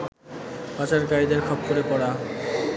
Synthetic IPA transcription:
pat͡ɕaɾkajd̪eɾkʰɔp̚koɾepɔɽa

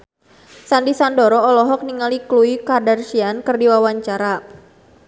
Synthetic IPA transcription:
sandisandɔɾɔɔlɔɦɔk̚niŋalikluikadarʃiankɨrdiwawaɲt͡ʃaɾa

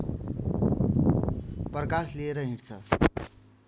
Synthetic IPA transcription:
prʌkaslieɾʌɦĩɽt͡sʰʌ

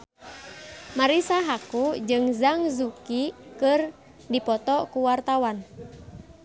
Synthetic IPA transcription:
maɾisaɦakud͡ʒɨŋzaŋzukikɨr | dipɔt̪ɔkuwart̪awan

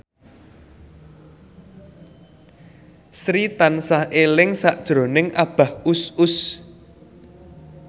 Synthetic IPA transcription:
sɾit̪ansahelɪŋsaʔd̥ʒ̥ɾo̤nɪŋʔab̥a̤husʊs

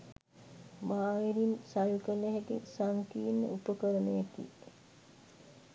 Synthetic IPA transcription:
maːiɾinsajukəleɦɛɡesaŋkiːnːə̰ʔupəkəɾənejekḭ

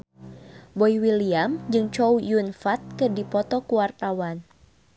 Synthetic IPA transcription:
bɔjwiliamd͡ʒɨŋt͡ʃɔujunfat̪̚kɨrdipɔt̪ɔkuwart̪awan

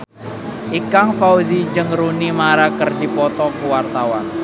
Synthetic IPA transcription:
ʔikaŋfawzid͡ʒəŋɾunimaɾakərdipɔt̪ɔkuwart̪awan

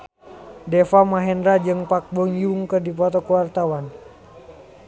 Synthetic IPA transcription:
dɛfamaɦɛndɾad͡ʒɨŋpak̚bɔŋjuŋkɨrdipɔt̪ɔkuwart̪awan

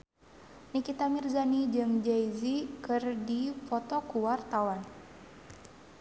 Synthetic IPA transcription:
nikit̪amirzanid͡ʒɨŋd͡ʒajzikɨrdifɔt̪ɔkuwart̪awan

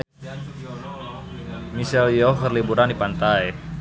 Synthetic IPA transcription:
misɛljɔkərlibuɾandipant̪aj

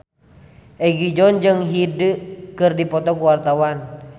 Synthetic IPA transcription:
ʔɛɡid͡ʒɔnd͡ʒɨŋɦidɨkɨrdipɔt̪ɔkuwart̪awan

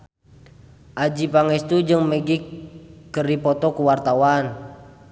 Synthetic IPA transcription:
ʔad͡ʒipaŋɛst̪ud͡ʒəŋməɡikːəripɔt̪ɔkuwart̪awan

